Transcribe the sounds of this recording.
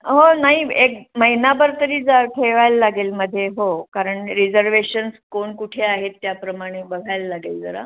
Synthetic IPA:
ɦonaɦiek̚məɦinabəɾt̪əɾiːd͡zaʈʰeʋajlːaɡelməd̪ʱːjeɦokaɾəɳɾid͡zəɾʋeɕənskoɳkuʈʰeaɦet̪ːjapɾəmaɽ̃ebəɡʱajlːaɡeld͡zəɾa̰

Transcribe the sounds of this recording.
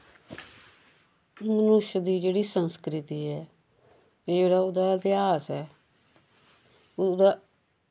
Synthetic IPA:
mənʊʃd̪iːd͡ʒeːɽiːsənskɾɪt̪iːɛː | k̪ed͡ʒeːɽaːoːd̪aːt̪ɪjaːsɛː | d̪aː

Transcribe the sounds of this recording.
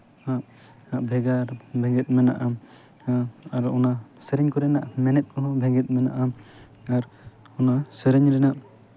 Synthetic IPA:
aʔ | aʔbʱɛɡaɾbʱɛ̃ŋɡɛt̪̚ˀmɛna̰ʔa | aɾɔnasəɾɛɲkɔɾɛnaʔmɛnɛt̪̚ˀkʰɔbʱɛŋɡɛt̪̚mɛna̰ʔa | aɾ | ɔnasəɾɛɲɾɛnaʔ

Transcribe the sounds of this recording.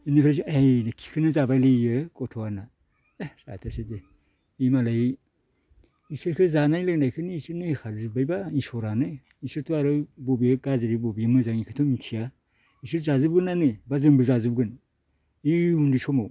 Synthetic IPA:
inipʰɾazuejnɯkʰi̥kʰɯnɯzabajlɯjɯkɔtʰɔana | sa̰tʰasede | imalaj | isɯɾkʰɯzanajlɯŋnajkʰɯniːsɯɾnɯhekʰaɾzɯbajbainsɔɾanɯ | isɯɾtuaɾɯbɔbiɯɡazɯɾibɔbimɯzaŋikʰɯtʰɔmintʰia | isɯɾzazɯb̚ɡɯnanɯbazɯŋbɯzazubɡɯn | iundisɔmaw

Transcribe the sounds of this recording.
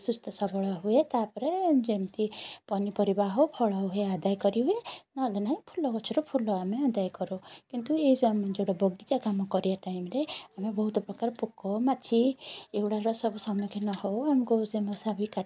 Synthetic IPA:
sust̪ɔsɔbɔɭɔɦuet̪apɔɾed͡ʒemt̪ipɔnipɔɾibaɦowpʰɔɭɔɦead̪ajkɔɾiɦuenɔlenaɦĩpʰulɔkɔt͡ʃʰuɾɔpʰulɔamead̪ajkɔɾukint̪ueisemd͡ʒoɽɔbɔɡit͡ʃakamɔkɔɾijaʈaimɾeamebɔɦut̪ɔpɾɔkaɾɔpukɔmat͡ʃʰieɡuɽaɾɔsɔbusɔmɔkʰenɔhowamɔkusemɔsabʱika

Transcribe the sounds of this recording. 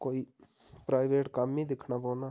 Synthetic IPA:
koːi | pɾaːɪʋeːʈkamːĩd̪ɪkʰnaboːna

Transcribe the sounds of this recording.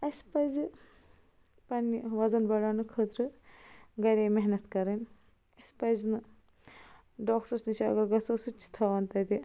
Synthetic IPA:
ɐspɐjzɨ | pɐnːiʋɐzɐnbɐɽaːnɨkʰət̪ɾɨ | ɡɐɾʲemeɦnɐt̪kɐɾɐn | ɐsʲpɐjznɨ | ɖoːkʈɐɾsniʃaɐɡɐɾɡɐsɐsɨt͡ʃʰːi̥t̪ʰɐːʋɐnt̪ɐd̪i

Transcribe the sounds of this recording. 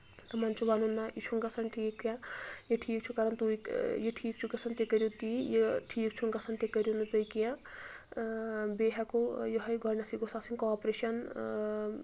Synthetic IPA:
t̪ɐmant͡ʃʰuʋanunːaʔit͡ʃʰuŋɡɐsʰɐnʈʰiːkːjãjeʈʰiːk̚t͡ʃʰukaɾɐnt̪ujjeʈʰiːk̚t͡ʃʰukɐsʰɐnt̪ekəɾjot̪ijeʈʰiːk̚t͡ʃʰuŋɡɐsʰɐnt̪ekɐɾjonut̪ɐjkijã | beɦakojeɦɐjɡʱɔɾnasʰiɡosasinkːpɾeʃɐn

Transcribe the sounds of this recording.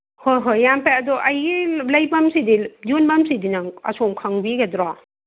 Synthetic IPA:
hojɦojːampeɐdɔʔɐjɡilɐjbɐmsidijunbɐmsidinaɐ̰somkʰaŋbiɡɐdɾa

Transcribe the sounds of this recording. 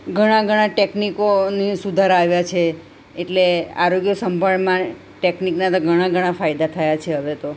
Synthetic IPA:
ɡʱəɽ̃ãɡʱəɽ̃ãʈeknikonisud̪ʱaɾaʋjat͡ʃʰeː | ʈlea̰ɾoɡjəsəmbʱəɳmã | ʈekniknat̪oɡʱəɽ̃ãɡʱəɽ̃ãfajd̪at̪ʰəjat͡ʃʰeɦəʋet̪o

